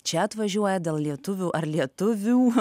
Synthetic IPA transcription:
t͡ʃʲɛɐt̪ʋɐʒʲuɔjɛd̪ʲeːlˠlʲiɛt̪ʊʋʲuːʔɐɾlʲiɛt̪ʊʋʲuː

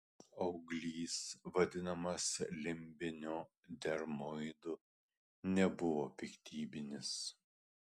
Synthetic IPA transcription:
ɐʊɡlʲiːsʋɐd̪ʲɪnɐmɐslʲɪmʲbʲɪnʲoː | d̪ʲɛɾmɔɪd̪ʊ | nʲɛbʊʋoːpʲɪkt̪ʲʰiːbʲɪnʲɪs

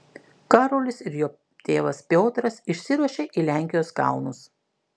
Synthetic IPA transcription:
kɑːɾoːlʲɪsɪɾjoː | t̪ʲeːʋɐspʲoːt̪ɾɐsɪʃʲsʲɪɾuɔʃʲeːʔiːlʲæˑŋʲkʲɪjoːskɑ̰ˑʊnʊs

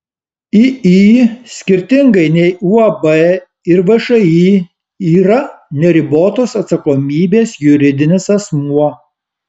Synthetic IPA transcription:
iiːsʲkʲɪɾʲt̪ʲɪŋɡɐɪnʲɛɪʔuɐbɛ | ɪɾʋɐʃɐiː | iːɾɐnʲɛɾʲɪboːt̪oːsɐt̪sɐkoːmʲiːbʲeːsjʊɾʲɪd̪ʲɪnʲesɐsmuɔ

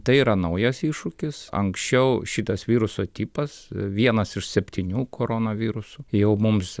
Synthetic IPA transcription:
t̪ɐɪiːɾɐnɐʊjɛsiːʃʊkʲɪsɐ̰ŋksʲt͡ʃʲɛʊʃʲɪt̪ɐsʋʲiːɾʊsoːt̪ʲiːpɐsʋʲiɛnɐsɪʃsʲɛpʲt̪ʲinʲuːkʰoːɾoːnɐʋʲiːɾʊsʊjɛʊmʊms

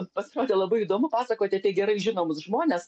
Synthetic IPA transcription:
pɐsʲɪɾoːd̪ʲɛːlˠɐbɐɪiːd̪oːmʊpɑːsɐkoːt̪ʲɛt̪ʲɛɡʲɛɾɐɪʒʲɪnoːmʊsʒmoːnʲɛs

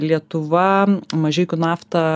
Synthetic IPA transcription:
lʲiɛt̪ʊʋɐmɐʒʲɛɪkʲʊnɑːft̪ɐ

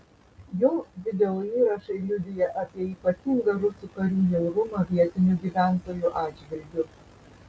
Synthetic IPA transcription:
joːʋʲɪd̪ʲɛoiːɾɐʃɐɪlʲʊd̪ʲɪjɛʔɐpʲiɛiːpɐt̪ʲiŋɡɐɾʊsukɐɾʲuːjʲɛʊɾʊmɐʋʲiɛt̪ʲɪnʲuɡʲiːʋʲæˑnt̪oːjuʔɑːd͡ʒʲʋʲɪlʲɡʲʊ

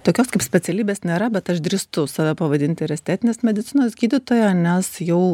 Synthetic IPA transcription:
t̪oːkʲoːskɐɪpsʲpʲɛtt͡s̪ʲɛlʲiːbʲeːsnʲeːɾɐbʲɛt̪ɐʃd̪ʲɾʲiːst̪ʊsɑːʋʲæpɐʋɐd̪ʲɪnʲt̪ʲɪɪɾʲɛsʲt̪ʲæːt̪ʲɪnʲeːsɪmʲɛd̪ʲɪtt͡s̪ʲɪnoːsɡʲiːd̪ʲɪt̪oːjɛnʲɛsjɛʊ

